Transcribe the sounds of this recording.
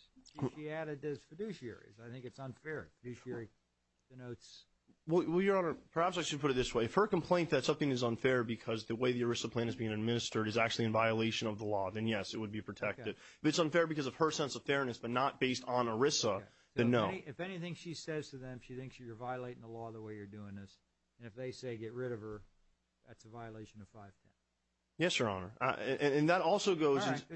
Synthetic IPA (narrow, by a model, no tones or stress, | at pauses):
iæɾɨdɨz̥fɨdʉʃiɛ̰ɹḭzaɪθɪ̃ŋkɨtsə̃nfɛɹfɨdʉʃɛɹi | ðɨnoʊts | wɛlˠwɛlˠjə˞ə̃nəpʰə˞hæpsaɪʃɨd̚pʰʊɾɨt̪̚ðɪsweɪɨfhə˞km̩pʰl̥ẽɪ̃nðɨtsʌθɪ̃ŋɨzə̃nfɛɹbɨkʰʌzðɨweɪðiə˞ɪsəpʰl̥æ̃nɨzbiɪ̃ŋɨd̚mɪ̃nɨstə˞ɾɨzæk̚t͡ʃʉl̩ˠiɨ̃nvaɪɨleɪʃɨ̃nʌvðəlɔðɨ̃njɛsɨt̚wəd̚bipʰɹ̥ɨtʰɛk̚tɨd̚fɨtsə̃nfɛɹbɨkʰʌzʌv̥ə˞sɛ̃nsʌv̥fɛɹnɨsb̥ʌtⁿnət̚b̥eɪstn̩ə˞ɪsə | ɨ̃nːoʊɨfɛniθɪ̃ŋʃisɛz̥tʰɨðɨ̃mʃiθɪ̃ŋksjjə˞vaɪəleɪɾɪ̃ŋðəlɔðəweɪjə˞dʉɪ̃ŋðɪs | ɨ̃nɨfðeɪseɪɡɛt̚ɹɪɾʌv̥ə˞ | ðæ̰tsəvaɪəleɪʃɨ̃nʌv̥faɪv̥tʰɛn | jɛsjə˞ɑ̰nə̰˞ɨ̃ʔɨ̃nɨ̃nðəɾɔlˠsoʊɡoʊzzɨ̃n